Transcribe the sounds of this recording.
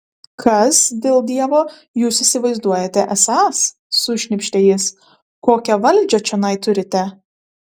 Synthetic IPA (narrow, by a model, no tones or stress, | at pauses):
kʰɐsd̪ʲeːlˠd̪ʲiɛʋoː | juːsɪsʲɪʋɐɪzd̪uɔjɛt̪ʲɛʔɛsɑːsː | ʊʃʲnʲɪpʲʃʲt̪ʲeːjɪs | koːkʲɛʋɐlʲd͡ʒʲɛt͡ʃʲɛnɐɪt̪ʊɾʲɪt̪ʲɛ